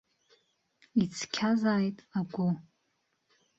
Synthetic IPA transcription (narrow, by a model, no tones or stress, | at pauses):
it͡sʰkʲʰazaːjtʼaɡʷʊ